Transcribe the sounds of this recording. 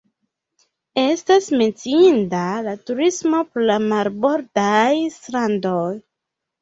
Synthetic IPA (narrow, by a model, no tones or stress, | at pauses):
e̞stasme̞nt͡siindalatuɾismo̞pɾolamaɾbo̞ɾdajstɾandoj